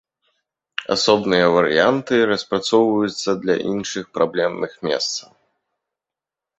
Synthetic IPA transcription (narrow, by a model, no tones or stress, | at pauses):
a̰sɔbnɨjɐvɐɾɨ̰jant̪ɨɾɐspɾat̪sɔwvɐjut̪sːɐd̪lʲa̰ʔḭnʂɨxpɾablʲɛmnʔɨxmʲɛ̰st̪sɐ